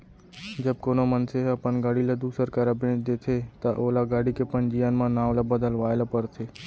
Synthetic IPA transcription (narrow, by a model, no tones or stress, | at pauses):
d͡ʒəb̚koːnomənseəpənɡaːɽilad̪uːsəɾkaɾabẽːd̪eːt̪ʰet̪aʔoːlaɡaːɽikepənd͡ʒijanmãnaːʋlabəd̪əlʋaːelapəɾt̪ʰe